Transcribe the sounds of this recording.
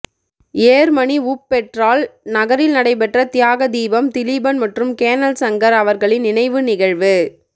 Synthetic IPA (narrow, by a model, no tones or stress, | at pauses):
eːɾmɐɳiupːɛʈraːlnɐɣɐɾɪlnɐɽɐɪpɛʈrɐt̪ɪjaːɣɐd̪iːbɐmt̪ɪlibɐnmɐʈrɯmkeːnɐlsɐŋɡɐɾɐʋɐɾɣɐɭɪnɪnɐɪʋɯnɪɣɐɻʋɯ